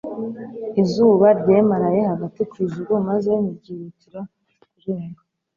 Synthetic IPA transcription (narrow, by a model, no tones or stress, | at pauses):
izuːβaɾɟeːmaɾajehaɡatikuiʒuɾomazemibɟiːɾutiɾa | kuɾeːŋɡa